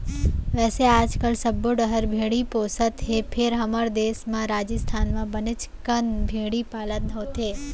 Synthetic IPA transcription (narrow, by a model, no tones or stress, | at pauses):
ʋɛːseaːd͡ʒkəlsəbːoɖəɦəɾbʱeɽiposət̪ɦepʰeɾɦəməɾd̪esmãɾad͡ʒəst̪ʰanmãbənɪt͡ʃkənbʱeɽipalənnot̪ʰe